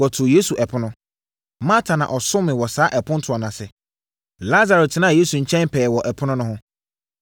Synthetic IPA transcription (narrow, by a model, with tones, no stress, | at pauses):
ɔ˨tʰʊ˨je˦su˨ʔɛ˨pʰʊ˦nʊ̃˦ | mã˦tʰa˨nã̰˨ʔɔ˨sʊ̃˦mɪ̃˨wɔ˨saː˦ʔɛ˨pʰʊ̃˦n̩˦tʰʊ˨ɔ˨nã˨sɛ˨ | la˦za˨ɾɛ˨t̚tʰɪ˨nã˦˨je˦sũ˨ɲ̩˨t͡ɕʰɛ̃˦mpʰɛː˨wɔ˨ʔɛ˨pʰʊ˦nʊ̃˦nʊ̃˦ɦʊ̃˦